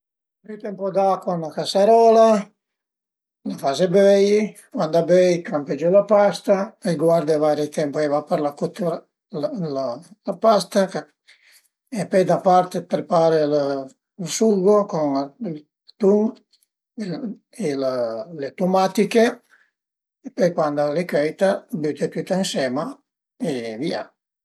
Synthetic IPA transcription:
byt̪ɛmpod̪akonlakasaɾɔla | lafazebɛj | mand̪abɛjkamped͡ʒelapast̪aeɡwaɾd̪evaɾet̪ɛmpoɛvapeɾlakut̪uɾa | llalapast̪ak | epɛjd̪apaɾt̪epɾepaːɾel | lsulɡokonl | t̪uŋ | elalet̪umat̪ike | pɔjkwand̪olekɾɛjt̪abyt̪et̪yt̪ːaĩnsɛma | evia̰

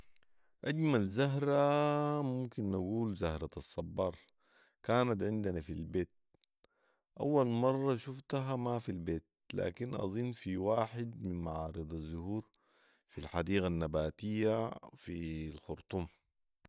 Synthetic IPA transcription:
ʔaɟmalzaɦɾamumkinːaɡuːlzahɾˤɑɑsˤːɑbːɑːɾˤ | kaːnat̪ʕɪnd̪anafilbeːt̪̚ | ʔa̰wːalmɑrˤːɑʃuft̪ɦamafilbeːt̪̚la̰ːkinʔɑ̰zˤinːfiwaːħɪd̪minmaʕɑːɾɨd̪ˤɑzːʊhuːɾ | filħad̪iːɣanːabaːt̪ijːafilxʊɾt̪ˤum

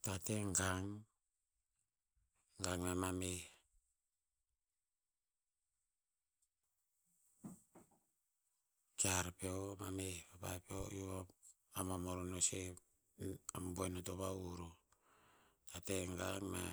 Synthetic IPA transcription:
tateŋɡaŋ | ɡaŋmamame | t͡ʃaɾpeomamepapa̰peojoβa | amamoɾonose | amboenotoβauɾo | tateŋɡaŋma̰

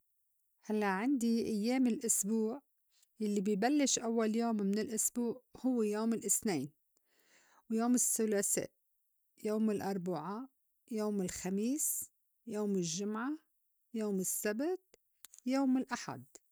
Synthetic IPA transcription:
halːaʔʕɪnd̪iʔajːeːmɪlʔʊsbuːʕ | jalːibibalːɪʃʔawːaljoːmːɪnɪlʔʊsbuːʕhʊwːjoːmɪlʔɪθneːn | wjoːmɪsːʊlaːsḛːʔ | joːmɪlʔɑɾˤbaʕa | joːmɪlxamiːs | joːmɪlʒːʊmʕa | joːmɪsːabt̪̚ | joːmɪlʔaħa̰d̪

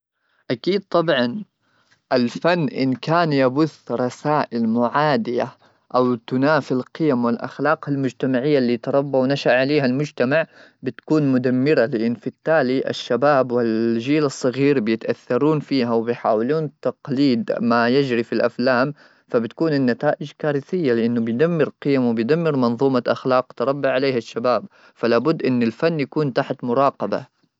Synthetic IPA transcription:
ʔakiːd̪̚t̪ˤɑbʕɑn | ʔalfanːʔɪ̰nkaːnjabʊθɾˤɑsaːʔɪlmʊʕaːd̪ɪja | ʔawt̪ʊnaːfɪlqɪjamwɪlʔa̰xlɑːqalmʊd͡ʒt̪amaʕɪjːalːiːt̪ɑɾˤɑbːawnaʃaʕaleːɦalmʊd͡ʒt̪amaʕ | bɪt̪ḁkuːnmʊd̪amːɪɾalɪʔɪnːfɪt̪ːaːliʔa̰ʃːabaːbwɪlʒiːlɑsˤːɑɣiːɾbjɪt̪ʔaθːɑɾˤuːnfiːɦawbɪjħaːwɪluːnt̪ɑqliːd̪majɪd͡ʒɾifilʔa̰flaːm | fabɪt̪kuːnɪnːat̪aːʔɪd͡ʒkaːɾɪθɪjːalɪʔɪnːʊbɪjd̪amːɪɾqɪjamwɪbɪjd̪amːɪɾmɑnðˤuːmaʔaxlɑːq̚t̪ɑɾˤɑbːaʕaleːɦaʃːabaːb̚ | falaːbʊd̪ːʔɪnːɪlfanːjakuːnt̪aħt̪mʊɾˤɑːqɑba̰

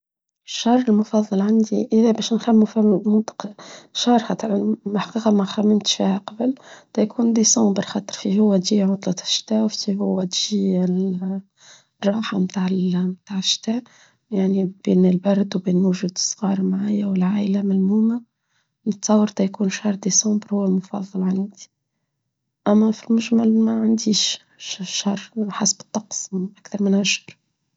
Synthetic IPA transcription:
ʃːɑrˤːɪlmʊfɑðˤːɑlʕand̪iʔɪðæbæːʃnxæmːufimʊnt̪ˤɑ̥qʃɑhɾˤxɑt̪ɾħaqiːqɑmæxæmːɪmt̪ʃfihæqɑbəlt̪æjkʰuːnd̪isɑ̃ːbɑɾxɑt̪ˤɾfiɦʊwːæt̪ʒiːʕʊt̪ˤlɑt̪ʃt̪æːʔwfiihʊwːæt̪ʒ̥iː | rˤːɑːħamt̪aʕɪmt̪aːʕɪʃt̪æːʔ | jaʕnib̥eːnɪlbɑɾˤd̪wbeːnʊʒuːd̪ə̥sˤːɣɑːɾˤmʕaːjawɪlʕaːʔɪlæmælmuːma | nɨt̪sˤɑwːɑɾˤt̪ɑjkuːnʃɑɾˤd̪esɑ̃ːmbɾhhʊwːælmʊfɑ̰ðˤːɑlʕanːd̪i̥ | ʔæmːæfilmʊʒmalmæʕand̪iːʃ | ʃɑrˤħasbət̪ˤːɑqsˤʔækθɑɾˤmɪnʔæʃɑɾˤ

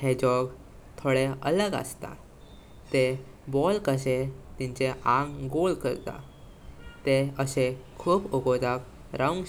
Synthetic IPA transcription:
hed͡ʑɔɡ | t̪ʰoɽeələɡa̰st̪a̰ | t̪e | bɔlkəɕet̪ĩɲt͡ɕeʔãŋɡɡolkə̰ɾt̪a̰ | t̪eəsekʰuːpoɡod̪ak | ɾaũŋɡ

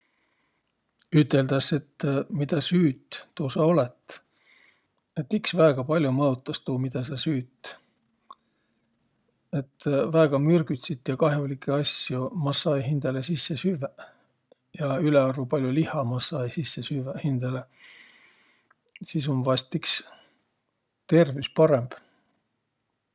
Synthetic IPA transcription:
yt̪ːˑe̞ld̪̥ɑse̞t̪ːmid̪̥ɑsyːt̪ːuːsɑo̞let̪ˑ | e̞t̪ːiksvæeɡ̥ɑpɑlʲjumɤt̪ːˑɑst̪uːmid̪̥ɑsɑsyːt̪ːˑ | e̞t̪ːvæeɡ̥ɑmyrɡ̥yt̪ʲsit̪ːˑjɑkɑɦjulikːˑeɑsjumɑsːɑjɦind̪̥elesisːe̞syve | jɑyleɑrvupɑlʲjulihɑmɑsɑːjisisːesyvehind̪̥ele | sis̬onvɑst̪iks | t̪e̞rvispɑɾe̞mb̥

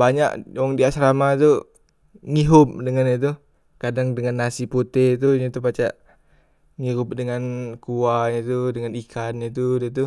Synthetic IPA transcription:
baɲa̰ʔwaŋdiaʔsɾamat̪u | ŋiɦʊp̚dəŋanɲat̪̬u | kadaŋdəŋanːasiput̪et̪̬uɲat̪upat͡ʃaʔ | ŋiɦʊp̚dəŋankuaɲat̪udəŋanikʰanɲət̪̬udiat̪̬u

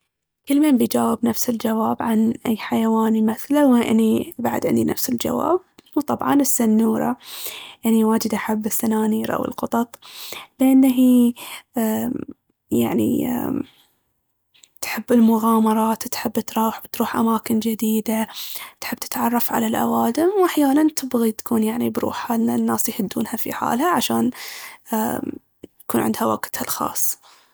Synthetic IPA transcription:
kɪlmambijd͡ʒaːwɪbnafsɪld͡ʒawaːbʕanʔajːħajawaːnimaθlawʔɪ̰nːibaʕd̪ʕɪ̰nd̪inʔa̰fsɪld͡ʒa̰wa̰ːb̚wt̪ˤɑbʕɑ̰nɪsːanːuːɾˤɑ̰ʔɪnːiwaːd͡ʒɪd̪ʔaħabːɪθːanaːniːɾʔa̰wɪ̰lqʊt̪ˤɑt̪ˤlɪʔanːaɦiː | ja̰ʕnḭ | t̪ħɪbːɪlmʊɣɑːmɑɾˤɑːt̪t̪ħɪbːt̪ɾˤuːħwt̪ɾuːħʔa̰maːkɪnd͡ʒɪd̪iːd̪at̪ħɪbːt̪ɪ̥t̪ʕɑrˤːɑfʕa̰lalʔa̰waːd̪ɪmwʔaħjaːnant̪ɪbɣit̪ḁkuːnjaʕnibɾṵːħanːanːaːsjħɪd̪ːṵːnhafḭħa̰ːlhaʕaʃa̰ːnː | jjkuːnʕɪ̰nd̪hawa̰ɡt̪halxɑ̰ːsˤː

